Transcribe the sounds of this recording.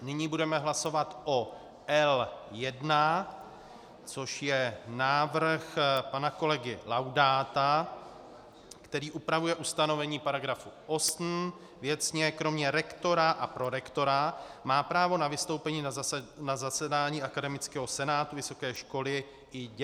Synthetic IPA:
nɪɲibudɛmɛɦlaso̞vat̪ʔo | ʔɛljɛdna | t͡so̞ʃjɛnaːvr̩xpanako̞lɛɡɪlawdaːt̪a | kt̪ɛɾiːʔupɾavujɛʔust̪ano̞vɛɲiːpaɾaɡɾafuʔo̞snm̩ | vjɛt͡sɲɛkɾo̞mɲɛɾɛkt̪o̞ɾaʔapɾo̞ɾɛkt̪o̞ɾamaːpɾaːvo̞navɪst̪owpɛɲiːnanazasɛdaːɲiːʔakadɛmɪt͡skɛːɦo̞sɛnaːt̪uvɪso̞kɛːʃko̞lɪ | ʔɪɟ

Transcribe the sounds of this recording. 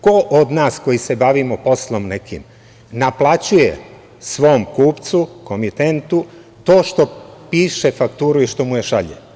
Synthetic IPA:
ko̞ʔod̪naːsko̞jise̞baʋimopo̞slˠo̞mnekḭm | naplˠat͡ɕujḛ | sʋo̞mkuːpt̪sukomit̪ent̪u | t̪o̞ːʃt̪o̞piːʃefakt̪uːɾuiʃt̪o̞mujeʃaʎḛ

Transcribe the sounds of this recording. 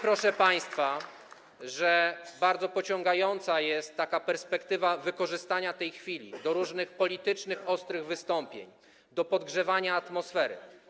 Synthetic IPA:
pɾɔʂɛpaj̃st̪fa | ʐɛbaɾd̪zɔpɔt͡ɕɔŋɡajɔnt̪sajɛst̪ːakapɛɾspɛkt̪ɘvavɘkɔʐɘst̪aɲat̪ɛjxfʲilʲḭd̪ɔɾuʐnɘxpɔlʲit̪ɘt͡ʂnɘxɔst̪ɾɘɣvɘst̪ɔmpʲjḛɲ | d̪ɔpɔd̪ɡʐɛvaɲaːt̪mɔsfɛɾɘ̰

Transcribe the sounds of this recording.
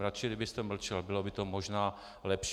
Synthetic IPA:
ɾat͡ʃɪɡdɪbɪst̪ɛml̩t͡ʃɛlbɪlo̞bɪt̪o̞moʒnaː | lɛpʃ

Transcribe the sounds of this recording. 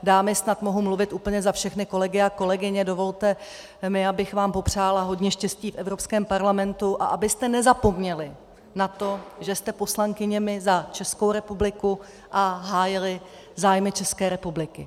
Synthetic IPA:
daːmɪsnat̪mo̞ɦumluvɪt̪ʔuːpl̩ɲɛzafʃɛxnɪko̞lɛɡɪako̞lɛɡɪɲɛdo̞vo̞lt̪ɛ | mɪabɪxvaːmpo̞pr̝̥aːlaɦo̞dɲɛʃcɛsciːfʔɛvɾopskɛːmpaɾlamɛnt̪uʔaʔabɪst̪ɛnɛzapo̞mɲɛlɪ | nat̪o̞ʒɛst̪ɛpo̞slaŋkɪɲɛmɪzat͡ʃɛsko̞wɾɛpublɪku | ʔaɦaːjɪlɪ | zaːjmɪt͡ʃɛskɛːɾɛpublɪkɪ

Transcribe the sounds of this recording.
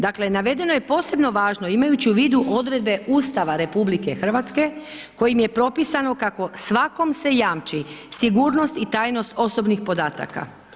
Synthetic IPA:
d̪akle̞naʋe̞d̪e̞no̞je̞po̞ːse̞bno̞ʋaːʒno̞imajut͡ɕiuʋiːd̪uʔo̞d̪ɾe̞d̪̚be̞ʔuːst̪aʋaɾe̞publike̞xr̩ʋat̪ske̞ko̞jimje̞pɾo̞pisano̞kako̞sʋako̞mse̞jaːmt͡ʃisiɡuːɾno̞st̪it̪aːjno̞st̪o̞so̞bnixpo̞d̪aːt̪a̰ka̰

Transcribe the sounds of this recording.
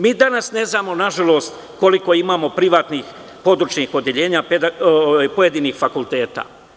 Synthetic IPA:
miːd̪anasne̞znaːmo̞naʒalˠo̞ːst̪ | ko̞liko̞imaːmo̞pɾiʋaːt̪nix | po̞d̪ɾut͡ʃɲixo̞d̪jeʎe̞ːɲaped̪aopojed̪iːniːxfakulˠt̪e̞ːt̪a̰ː

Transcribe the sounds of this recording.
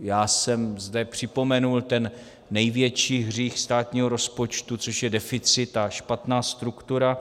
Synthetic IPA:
jaːsɛmzdɛpr̝̥ɪpo̞mɛnult̪ɛnː | ɛjvjɛt͡ʃiːɦr̝iːxst̪aːt̪ɲiːɦoɾo̞spo̞t͡ʃt̪ut͡so̞ʃjɛdɛfɪt͡sɪt̪aʃpat̪naːst̪ɾukt̪uɾa

